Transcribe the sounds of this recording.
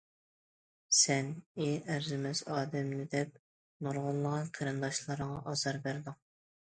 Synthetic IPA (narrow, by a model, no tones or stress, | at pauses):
sɛneæɾzɪmɛzɑːd̪ɛmnɪd̪ɛp̚ | noɾʁʊlˠːəʁɑnqʰæɾɨmd̪ɑʃlˠɨɾəŋɑʔɑzɑɾbæɾd̪ɪŋ